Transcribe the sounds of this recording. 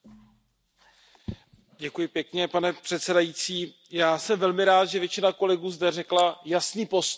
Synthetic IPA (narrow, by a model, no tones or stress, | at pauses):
ɟɛkujɪpjɛkɲɛpanɛpr̥ɛt̪sɛdajit͡siː | jaːsɛmvɛlmɪɾaːt̪ʒɛvjɛt͡ʃɪnako̞lɛɡuːzdɛrɛklajasniːpo̞s